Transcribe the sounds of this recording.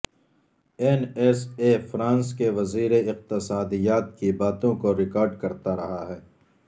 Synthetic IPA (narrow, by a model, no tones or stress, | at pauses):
ɛnɛsefɾãːnskeʋɐziːɾeɪq̚t̪ɪsaːd̪ijaːt̪̚kibaːt̪õkoɾɪkaːɾɖkɐɾt̪aɾɐɦaɦɛː